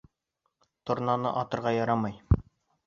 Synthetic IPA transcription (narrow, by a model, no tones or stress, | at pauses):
t̪ŏɾnɑnɤ̰ʔɒt̪ɤ̆ɾʁɑjɒɾɑmɤj